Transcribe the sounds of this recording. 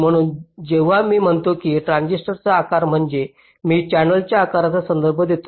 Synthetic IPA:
m̤əɽ̃uːnd͡zeʋ̤amiːm̤əɳt̪okiːʈɾãnd͡ʑiʂʈəɾt͡saːkaɾm̤əɳd͡ze | miːt͡ɕænəlt͡ɕjaːkaɾat͡sasənd̪əɾbʱəd̪et̪o

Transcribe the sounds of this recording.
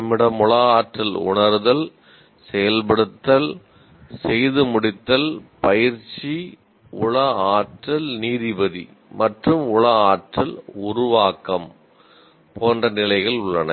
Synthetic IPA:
mːɪɽɐmʊɭɐaːʈrɐlʊ̰ɳɐɾðɐl | sɛjɐlpɐɽɯt̪ːɐl | sɛjðɯmʊɽɪt̪ːɐlpɐjɪɾt͡ʃi | ʊɭɐaːʈrɐlniːðɪbɐðḭ | mɐʈrɯmʊɭɐaːʈrɐlʊɾʊʋaːkːɐm | poːndrɐnɪlɐɪɣɐɭʊɭːɐnɐ

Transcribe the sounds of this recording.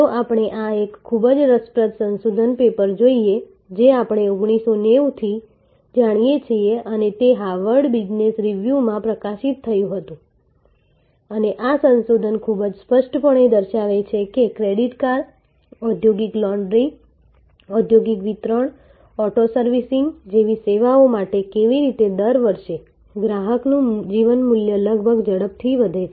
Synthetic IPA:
t̪oʔapəɽ̃eʔaekʰːubəd͡ʒɾəspɾət̪sənsod̪ʱənpepəɾd͡ʒoie | d͡ʒeapəɽ̃eoɡɽ̃isoneʋt̪ʰi | d͡ʒaɽ̃ijet͡ʃʰieʔənet̪eɦaʋəɾɽbid͡ʒnesɾiʋjumãpɾəkaʃit̪ʰːəjũɦət̪ũ | əneʔasənsod̪ʱənkʰubəd͡ʒspəʃʈpəɳ̃ed̪əɾʃaʋet͡ʃʰekekɾeɽiʈkaɾ | ɔd̪ʱjoɡiklɔɳɖɾi | ɔd̪ʱjoɡikʋit̪ɾəɳ | ɔʈosəɾʋisiŋɡd͡ʒeʋiseʋaomaʈekeʋiɾit̪ed̪əɾʋəɾʃe | ɡɾaɦəknũd͡ʒiʋənmuljələɡ̚bʱəɡd͡ʒəɽəp̚t̪ʰiʋəd̪ʱet͡ʃʰ

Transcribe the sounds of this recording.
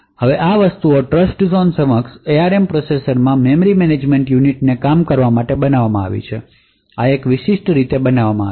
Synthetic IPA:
həʋeʔaʋəst̪uoʈɾəsʈzonsəməkseaɾempɾosesəɾmãmemɾimened͡ʒmeɳʈjuniʈnekamkəɾʋamaʈebənaʋamãa̰ʋḭt͡ʃʰe | aekʋiʃiʃʈɾit̪ebənaʋamãa

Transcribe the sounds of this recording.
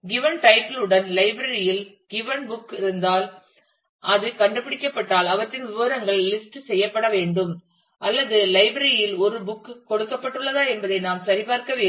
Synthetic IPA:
ɡɪʋɐnʈɐɪpɐlɯɽɐnlɐɪbɾɐɾɪjɪl | ɡ̥ɪʋɐnbʊkːɪɾɯnd̪aːl | ʔɐðɯkɐɳɖɯpːɪɽɪkːɐpːɐʈːaːlɐʋɐʈːɪnʋɪʋɐɾɐŋɡɐɭːɪsʈsɛjːɐpːɐɽɐʋeːɳɖɯm | ʔɐlːɐðɯlɐɪbɾɐɾɪjɪlɔɾɯbʊkːkɔɽɯkːɐpːɐʈːɯɭːɐðaːɛnbɐðɐɪnaːmsɐɾɪpaːɾkɐʋeː

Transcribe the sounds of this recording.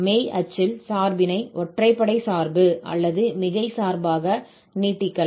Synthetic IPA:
meːɐt͡ʃːɪlsaːɾbɪnɐɪʔɔʈrɐɪpːɐɽɐɪsaːɾbɯʔɐ̰lːɐðɯmɪɣɐɪsaːɾbaːɣɐ | niːʈːɪkːɐl

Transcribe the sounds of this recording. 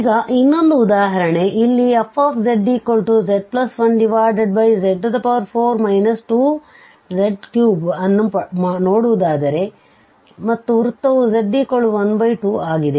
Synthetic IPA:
iːɡɐʔinːo̞nd̪uːd̪aːɦɐɾɐɳe̞ʔilːiɐpʰːaːpʰd͡ʒeɖɖiːkoɭʈud͡ʒeɖ̚plɐsʋɐnɖiʋaːɾɖeɖ̚bɐjd͡ʒeɖːud̪ɐpɐʋɐɾpʰoːɾmɐjnɐsʈuː | d͡ʒeɖkjuːbɐnːupɐmanoːɽuʋud̪aːd̪ɐɾe̞ | mɐt̪ːuɾut̪ːɐʋud͡ʒeɖɖiːkoɭːuʋɐnbɐjʈuːaːɡid̪e̞

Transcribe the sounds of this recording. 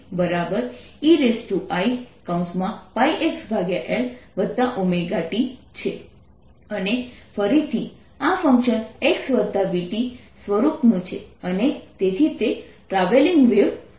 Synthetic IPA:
bəɾabəɾ | iɾesʈuʔaikaũnsmãpaiʔeksbʱaɡjaʔelʋəd̪ːaʔumeɡaʈit͡ʃʰe | ənefəɾit̪ʰi | afə̃ŋkʃəneksʋəd̪ːabiʈi | sʋəɾupnũt͡ʃʰeənet̪et̪ʰit̪e | ʈɾaʋeliŋɡʋeʋ

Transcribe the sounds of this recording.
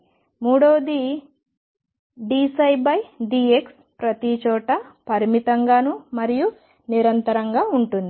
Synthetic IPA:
muːɽoːd̪i | ɖiːsɐjbɐjɖiːeks | pɾɐt̪it͡ʃɔːʈɐpɐɾimit̪ɐŋɡaːnumɐɾiju | niɾɐnt̪ɐɾɐŋɡaːuɳʈund̪i

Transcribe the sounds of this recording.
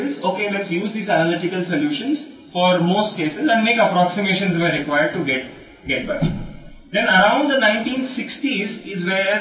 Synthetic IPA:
ɪzoːkeːlɛʈsjuːzd̪iːzænəlɪʈɪkəlsoljuːʃə̃nz | fɔːɾmoːsʈ̚keːsɪzɛ̃nɖmeːkəpɾɔksɪmeːʃə̃nzʋeɾɪkwaɪəɾɖ̚ʈuɡɛʈ̚ | ɡɛʈ̚bæ̰k | d̪ɛ̃nəɾãʊ̃ɳɖd̪ənãɪ̃ɳʈĩːnsɪksʈizɪzʋeː

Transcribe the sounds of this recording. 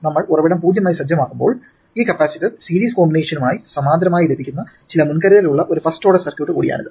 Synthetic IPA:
nɐmːɐɭurɐʋiɽɐmpuːd͡ʑjɐmaːjisɐd͡ʑjɐmaːkːumbo̞ːɭ | iːkɐpːaːsitʲːisiːliːskoːmbineːʂɐnumaːjisɐmaːnd̪ɾɐmaːjilebʱikʲːunːɐ | t͡ɕilɐmunkɐɾɐjiluɭːɐʔo̞ɾufɐsʈo̞ːɽɐsɐrkjuwʈːɨkṵːɽija̰ːnɐ̰ðɨ

